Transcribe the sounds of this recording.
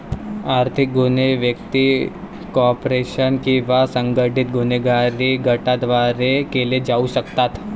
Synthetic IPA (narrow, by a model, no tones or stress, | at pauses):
aːɾt̪ʰɪk̚ɡʊneʋjəkt̪i | koɔːpɾeːʃənkiʋasə̃ŋɡəʈɪt̪̚ɡʊneɡaːɾiɡʱɐʈad̪ʋaːɾekelied͡ʒaːuʃɐkt̪at̪ʰ